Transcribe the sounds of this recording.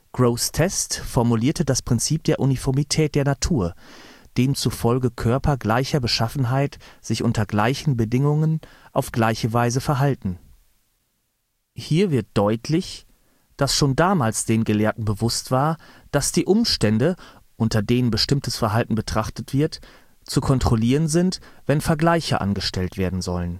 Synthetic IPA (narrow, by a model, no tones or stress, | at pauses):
ɡ̥ʁoʊstʰɛstfɔɐmuliːɐtədaspʁ̥ɪnt͡siːp̚d̥eːɐʔunifɔɐmitʰɛːt̚d̥eːɐnatʰuːɐ | d̥eːmt͡sufɔlɡəkʰœɐpʰɐɡlaɪçɐbəʃafn̩ɦaɪtz̥ɪçʔʊntɐɡlaɪçn̩bədɪŋʊŋənʔaʊfɡ̥laɪçəvaɪzəfɛɐɦaltn̩ | hiːɐvɪɐt̚d̥ɔʏtʰlɪç | d̥asʃoːndaːmaːlsd̥eːnɡəleːɐtn̩bəvʊstv̥aːɐd̥asd̥iːʔʊmʃtɛndəʔʊntɐdeːnənbəʃtɪmtəsfɛɐɦaltn̩bətʁ̥aχtətv̥ɪɐt | t͡sukʰɔntʁ̥oliːʁənzɪntv̥ɛnfɛɐɡlaɪçɐ̰ʔa̰nɡəʃtɛltv̥eːɐdn̩zɔlən